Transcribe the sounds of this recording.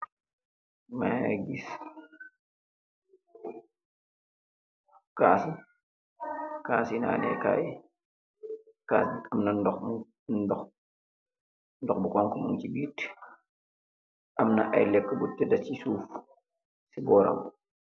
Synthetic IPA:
maja̰ɡis | kaːsu | kaːsina̰ːnɛ̰ka̰ːj | ka̰ːsiɐmnɐndɔx | dɔx | ndɔxbukɔŋkumuŋt͡ʃibiːt | ʔɐmnɐʔɐjlɛkːəbutːɛdɐt͡ʃisuːf | sibɔɾɐ̰wu

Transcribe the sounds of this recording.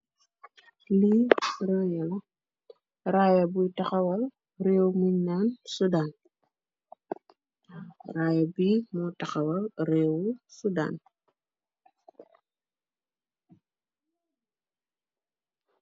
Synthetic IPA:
liɾɔːjɛlɐ | ɾaːjɐbujtɐxɐwɐl | reːwmiɲːansudaːn | raːjɐbimɔtɐxɐwɐlrɛːwusuda̰ːn

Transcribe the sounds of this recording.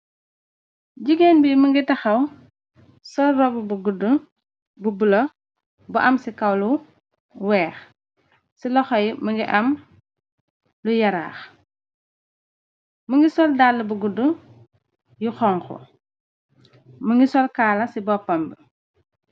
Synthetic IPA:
ɟiɡɛnbiməŋɡitɐxɐw | sɔlrɔbubuɡudu | bubulɐ | bɐʔɐmsikɐwlu | wɛːx | silɔxɔjməŋɡiʔɐm | lujɐɾa̰ːx | məŋɡisɔldalːubuɡudu | juxɔːŋxɔ̰ | mɐŋɡisɔlkaːlɐsibɔpːɐmbi

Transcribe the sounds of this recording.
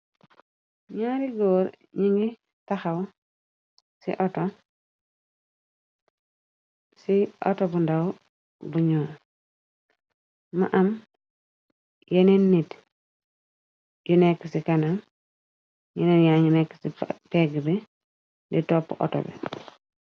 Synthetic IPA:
ɲaɾiɡoːɾ | ɲiŋɡi | taxaw | sḭʔoto | sio̰tobundaw | buɲoːɾ | ma̰ʔam | jenenːit | junekːsikanaŋ | jenenjaɲinekːsipeɡbe | nditopːʔo̰to̰bḛ

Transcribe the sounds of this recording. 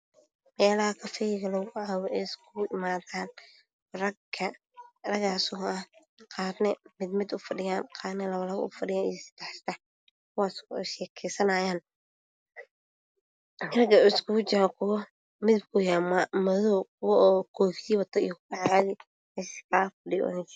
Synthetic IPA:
mɛːlɐhɐkʰɐfɛjɪɣɐlɔɣɣʊʕaːwɛʔɛːskʰʊʊʔɪmaːðaːn | rɐɡkʰɐ | rɐɣaːsɔːɐh | qɑːd̪nɛmɪd̪mɪd̪ʊfɐɖɪjaːnqɑːd̪nɛlɐβɐlɐβɐ̰ʔʊ̰fɐɖɪjaːnḭjɐsɪ̥d̪ɛħst̪ɐ | kʰʊwaːsʃɛːkʰɛsɐnaːjaːn | rɐɡɐɪskʰʊʊt͡ʃɐɾkʰʊwɐ | mɪðɪb̚kʰʊjaːmamɐðɔːkʰʊwɐɔːkʰɔːfjiːwɐt̪ʰɔḭjɔkʰʊwʊʕɑɾaːði | ɛskʰaːfɐɖɪjɔ̰ðɐnt͡ʃ

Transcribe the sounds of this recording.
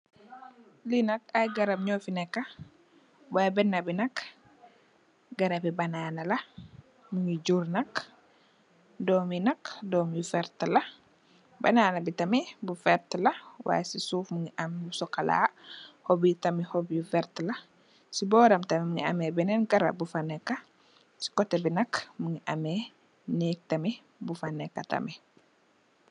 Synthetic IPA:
linɐkajɡɐɾɐb̚ɲɔfinɛkːɐ | wajbɛnːɐbinɐk | ɡɐɾɐpibɐnaːnɐlɐ | muŋid͡ʒuɾnɐk | dɔːminɐkdɔːmjufɛɾtlɐ | bɐ̰naːnɐbitɐmibufɛɾtlɐwa̰ːjesisuːfmuŋiʔɐmbusɔkɐla̰ːhɔbitɐmihɔbjufɛɾtlɐ | sibɔːɾɐmtɐmimuŋiɐ̰mɛbɛnɛnɡɐɾɐ̰bufanɛkːɐ | si̥kɔtːɛbinɐkmuŋiʔɐmɛ | nɛːk̚tɐmi | bufanɛkːɐtɐ̰mi

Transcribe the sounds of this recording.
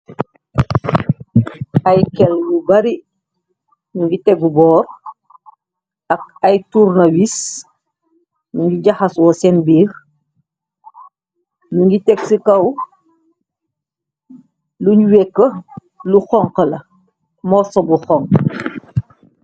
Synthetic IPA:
ajkɛlbubɐɾi | nuɲɡitɛɡubɔːɾ | ɐk̚ɐjturnɐwis | nuɲɡiɟɐxɐswɔsɛnbiːx | nuɲɡitɛksikɐw | luɲwɛkːə | luxɔŋqəlɐ | mɔsobuxɔŋ

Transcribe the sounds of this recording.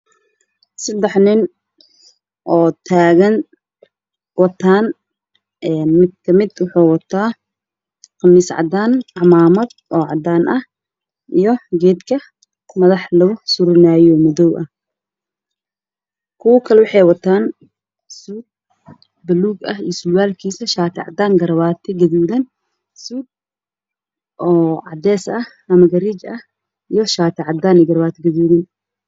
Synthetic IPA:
sɐd̪ɛħnɪn | ʔɔːt̪ʰaːɣɐn | wɑt̪ʰaːn | ʔɛːnmɪd̪̚kʰɐmɪd̪wʊħuːwɐt̪ʰaː | qɑmiːsʕɑ̰d̪aːnʕɑmaːmɐd̪ʔɔːʕɑd̪aːnʔɐh | ʔijɞɡɛːd̪kʰɐ | mɐðɑħlɐɣʊsʊɾɪnaːjɔmʊðɔwʔɐh | kʰʊwɐkʰɐlɛwɑħɑjwɐt̪ʰaːn | suːd̪̚ | bɐluːɡɐɦijɔsʊwaːlkʰiːsɐʃaːt̪ʰɪʕɑ̰d̪aːŋɡɐɾwaːt̪ʰɪɡɐðuːðɐn | suːd̪̚ | ʔɔːʕɑd̪ɛːsɐh | ɐmɐɡɐɾiːt͡ʃɐh | ijɞʃaːt̪ʰɪʕɑd̪aːnɪɡɐrbaːt̪ʰɪɡɐðuːðɐn

